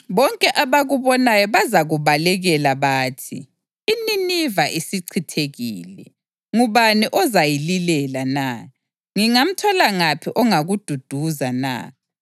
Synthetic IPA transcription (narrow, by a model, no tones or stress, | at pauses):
βɔŋkʼɛʔaβaɣuβɔnajɔβazaɣuβalɛɣɛlaβaːtʰḭː | ninivaʔisiǀʰitʰeɣḭːlɛ | ŋuβaniʔɔzajililɛlana | ŋiŋam̩tʰɔlaŋapʰiʔɔŋaɣud̥ʱud̥ʱuzana̰ː